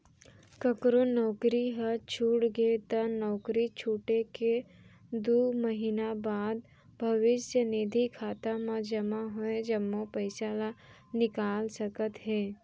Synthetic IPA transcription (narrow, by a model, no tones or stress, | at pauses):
kəkɾonɔːkɾiɦət͡ʃʰuːʈɡet̪ənɔːkɾit͡ʃʰuːʈeke | d̪uːməɦinabaːd̪ | bʱɐʋɪsjəneːd̪ʱikʰaːt̪amãd͡ʒɐmaɦʊed͡ʒɐmːopəɪsala | nɪkaːlsəkət̪ɦɛː